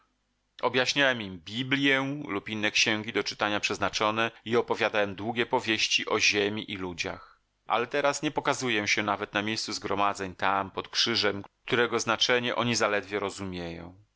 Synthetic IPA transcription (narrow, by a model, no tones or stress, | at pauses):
ɔbjaɕɲawɛmimbʲiblʲjɛlupinːɛkɕɛŋɡʲid̪ɔt͡ʂɘ̥t̪aɲapʂɛznat͡ʂɔnɛiɔpɔvʲjad̪awɛmd̪wuɡʲɛpɔvʲjeɕt͡ɕiʔɔʑemʲiʔilud͡ʑa̰x | ʔa̰lɛt̪ɛɾasɲɛpɔkazujɛɕɛnavɛt̪namʲjejst̪suzɡɾɔmad̪zɛɲt̪ampɔt̪kʂɘʐɛmk̚t̪uɾɛɡɔznat͡ʂɛɲɛʔɔɲizalɛd̪vʲjɛɾɔzumʲjejɔ̰̃w̃